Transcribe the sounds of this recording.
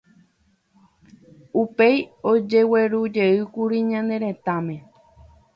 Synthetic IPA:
upejod͡ʒe̞we̞ɾud͡ʒe̞ɨkuɾiɲãnd̪e̞ɾẽ̞t̪amẽ̞

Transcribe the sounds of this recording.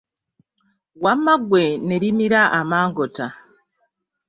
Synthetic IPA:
wamːaɡwe̞neɾimiɾaʔamaːŋɡota

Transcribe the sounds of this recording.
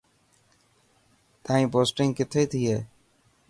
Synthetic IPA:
t̪aːĩːpoːsʈɪ̃ŋkɪt̪ʰeːt̪ʰiːɦeː

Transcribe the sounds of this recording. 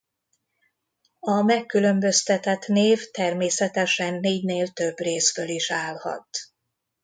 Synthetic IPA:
ɒmɛkːylø̞mbø̞st̪ɛt̪ɛt̪neːft̪ɛrmeːsɛt̪ɛʃɛnːeːɟneːlt̪ø̞breːsføliʃaːlhɒ̰t̪

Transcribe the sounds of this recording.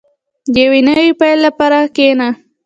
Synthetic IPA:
d̪əjawinawipajlːapaɾakena

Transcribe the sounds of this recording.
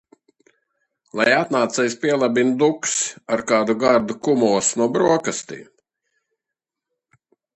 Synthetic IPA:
lˠajat̪naːt̪sɛjspʲiɛlˠabind̪uksaɾkaːd̪uɡaɾd̪ukumɔɔsnuɔbɾuɔkast̪ḭː

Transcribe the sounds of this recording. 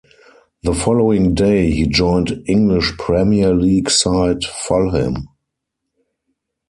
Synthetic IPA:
ðəfɔloʊɪ̃ŋdeɪhiːd͡ʒɔ̃ɪ̃ntɪ̃ŋɡlɪʃpʰɹɛmiəliːɡsaɪtfɔlhɪ̰̃m

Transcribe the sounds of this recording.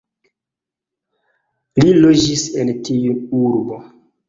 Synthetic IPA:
lilod͡ʒisentiuuɾbo

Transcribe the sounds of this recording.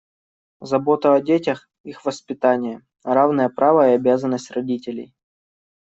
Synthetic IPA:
zɐbo̞t̪əɐdʲetʲəx | ixvəspʲɪt̪anʲɪjə | ravnəjəpɾavəiɐbʲazənːəsʲtʲrɐdʲitʲɪlʲɪ̰j

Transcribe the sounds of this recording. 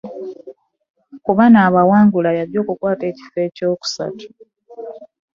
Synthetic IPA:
kuβanaːβawaːŋɡulajaɾjo̞ːkukwaːte̞ːci̥fe̞co̞ːku̥sa̰tu̥

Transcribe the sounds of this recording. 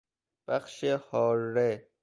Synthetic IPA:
b̥æxʃehɒːɾːe

